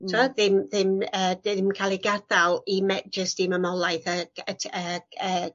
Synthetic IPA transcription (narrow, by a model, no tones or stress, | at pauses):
tʰuaðɪmðɪməːdɪmkʰalˠiɡadalˠimɛd͡ʒəstiməmɔlˠajθəəəəː